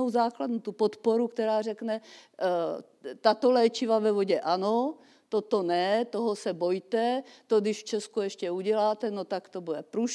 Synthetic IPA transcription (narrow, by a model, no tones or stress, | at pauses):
owzaːkladnut̪upot̪poɾukt̪ɛɾaːr̝ɛknɛ | t̪at̪o̞lɛːt͡ʃɪvavɛvo̞ɟɛʔano̞ | t̪ot̪o̞nɛt̪oɦosɛbo̞jt̪ɛt̪odɪʃft͡ʃɛskujɛʃcɛuɟɛlaːt̪ɛnot̪akt̪o̞budɛpɾuʃ